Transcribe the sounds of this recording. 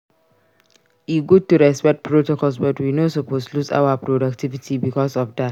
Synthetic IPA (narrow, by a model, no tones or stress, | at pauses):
jiɡutuɹɛspɛk̚t̚pʰɹotokɔlsbɔtwinosoposlusa̰ʊapɹodak̚tivitibikɔsɔfdat